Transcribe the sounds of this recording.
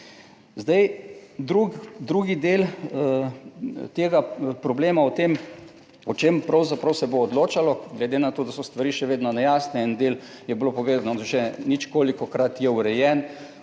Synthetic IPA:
zd̪ajd̪ɾuɡd̪ɾuːɡid̪eːl | t̪eːɡapɾɔbleːmaɔt̪em | ɔt͡ʃeːmpɾawzapɾɐwsɛboːd̪loːt͡ʃalɔɡlɛd̪enat̪oːd̪asɔst̪ʋaɾiːʃɛʋeːd̪nɔnɛjaːsnɛind̪el | jɛblopɔʋeːzanɔd̪ʃɛnit͡ʃkoːlikɔkɾat̪jɛuɾɛjɛn

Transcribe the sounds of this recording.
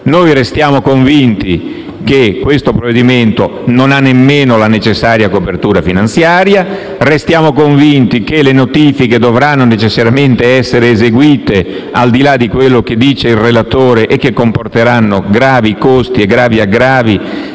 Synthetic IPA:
nojrest̪jaːmokoɱvint̪i | kekːwest̪opɾoved̪iment̪ononanːemːeːnolanet͡ʃesːaːɾjakopert̪uːɾafinant̪sjaːɾja | rest̪jaːmokoɱvint̪ikelenot̪iːfiked̪ovɾanːonet͡ʃesːaɾjament̪eɛsːeɾeːzeɡwiːt̪e | ald̪ilad̪ikwelːok̟ed̪iːt͡ʃeilrelat̪oːɾeʔek̟ːekːomport̪eɾanːoɡɾaːvikost̪ieɡɾaːviaɡɾaːvi

